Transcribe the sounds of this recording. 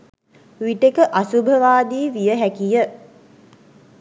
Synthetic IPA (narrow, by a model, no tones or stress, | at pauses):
ʋiʈekəʔasubʱəʋaːd̪iːʋijəɦækijə